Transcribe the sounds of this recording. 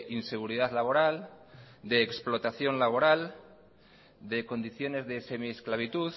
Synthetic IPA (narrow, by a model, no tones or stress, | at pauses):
ʔinse̞ɣ̞uɾiðaðlaβ̞o̞ɾald̪e̞ːksplo̞t̪aθjo̞nlaβ̞o̞ɾal | d̪e̞ko̞nd̪iθjo̞ne̞zðe̞se̞miesklaβ̞it̪uð